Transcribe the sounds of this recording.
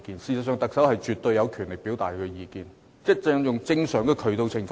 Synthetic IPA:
kiː˨nsiː˨sɐ˨tsœː˨˧ŋt̪ɐ˨ksɐ˨˥whɐ˨jt͡ʃyː˨t̪ɵ˧ɥjɐ˨˧wkʰyː˨˩nlɪ˨˩k̚piː˨˥wt̪a̰ː˨˩jkɛː˧jiː˨˧kiː˨n̚˥ | t͡sɛ˧˥ŋjʊ˨ŋt͡sɪ˧˥ŋsœː˨˥ŋkɛː˧kʰɵ˨˩ɥt̪o˧wt͡sʰɪ˨ŋf

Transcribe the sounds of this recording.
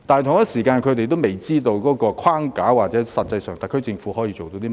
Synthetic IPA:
t̪aː˨˩jt̪ʰʊ˨˩ŋjɐ˥siː˨˩kaː˧nkʰɵ˨˧t̪e˨jt̪̬o˥wme˨jt͡siː˥t̪o˧wkɔː˨˥kɔː˧kʰwaː˥ŋkaː˨˥waː˨t̚t͡sɛː˨˥sɐ˨t̚t͡sɐ˧jsœː˨˩ŋt̪ɐ˨˩kʰːɵ˥t͡sɪ˧ŋfuː˨˥ɦɔː˨˥jiː˧t͡ʃo˨wt̪o˧wt̪i˥

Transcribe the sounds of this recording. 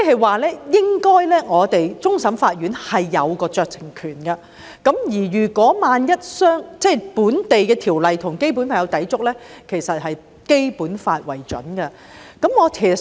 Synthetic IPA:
ɛ˥ɦɐ˨jwaː˨˩lɛː˥jɪ˥ŋkɔː˥jlɛː˥ŋɔː˨˧t̪e˨jt͡sʊ˥ŋsɐ˨˥mfaː˧t̚ɥyː˨˥nhɐ˨jːɐ˨˧wkɔː˧t͡ʃœː˨˧k̚t͡sʰɪ˨˩ŋkʰyː˨˩nkɐ˧ | kɐ˨˥mjiː˨˩ɥyː˨˩kʷɔː˨˥maː˨njɐ˥t̚sœː˥ŋt͡sɛː˥˩jpuː˨˥nt̪e˨jkɛː˧t̪ʰiː˨˩wlɐ˨jt̪ʰʊ˨˩ŋke˥jp̬uː˨˥nfaː˧˩jɐ˨˧wt̪ɐ˨˥jt͡sʊ˥k̚lɛː˥kʰe˨˩jsɐ˨t̚hɐ˨j | ke˥jpuː˨˥nfaː˧t̚wɐ˨˩jt͡ʃɵ˨˥nkɐ˧ | kɐ˨˥mŋɔː˨˧tʰː

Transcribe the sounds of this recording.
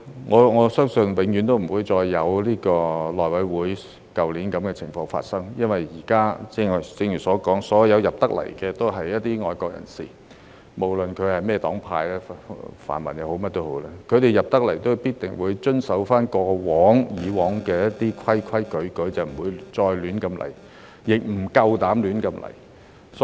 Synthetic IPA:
ŋɔː˨˧ŋɔː˨˧sœː˥ŋsɵ˧nwɪ˨˧˥ŋjy˨˧nt̪o˥wm̩˨˩wuː˨˧jt͡sɔː˧jːɐ˨˧wliː˥kɔː˧lɔː˨jwɐ˨˥jwuː˨˥j | kɐ˨wliː˨˥nkɐ˨˥mkɛː˧t͡sʰɪ˨˩ŋfɔː˧ŋfa̰ː˧t̚sɐ˥ŋjɐ˥nwɐ˨jjiː˨˩kaː˥t͡sɛ˥˨t͡sɪ˧ŋjyː˨˩sɔː˨˥kɔː˨˥ŋsɔː˨˥jɐ˨˧wjɐ˨p̚t̪ɐ˥k̚lɐ̰˨˩jkɛː˧t̪o˥wɦɐ˨jːɐ˥t̚t̪iː˥ŋɔː˨jkɔː˧k̚jɐ̰˨˩nsḭː˨˩ | mo˨˩wlɵ˨nkʰɵ˨˧ɥhɐ˨jmɛː˥˩t̪ɔː˨˥ŋpʰaː˧jlɛː˥fa̰ː˨˩nmɐ̰˨˩njɐ˨˧who˨˥wmɐ˥t̚t̪o˥who̰˨˥wlɛː˥kʰɵ˨˧ɥɾe˨jɐ˨p̚t̪ɐ˥k̚lɐ˨˩jt̪o˥wpiː˥t̚t̪ɪ˨˩ŋwuː˨˧jt͡ʃɵ˥nsɐ˨˥wfaː˥nkɔː˧wɔː˨˥ŋjiː˨˧wɔː˨˥ŋkɛː˧jɐ˥t̚t̪iː˥kʰɐ˥jkʰɐ˥jkɵ˨˥ɥkɵ˨˥ɥt͡sɐ˨˩m̩˨˩wuː˨˧jt͡sɔː˧jlyː˨˥nkɐ˧mlɐ̰˨˩j | jɪ˨k̚m̩˨˩kɐ˧wt̪aː˨˥mlyː˨˥nkɐ˧mlɐ̰˨˩j | s

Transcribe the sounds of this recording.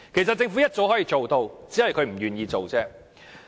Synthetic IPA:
kʰe˨˩s̬ɐ˨t̚t͡sɪ˧ŋfu˨˥jɐ˥t̚t͡so˨˥wɦɔː˨˥jiː˧t͡so˨wt̪o˧wt͡siː˨˥hɐ˨jkʰɵ˨˧ɥm̩˨˩jyː˨˩njiː˧t͡so˨wt͡sɛː˥

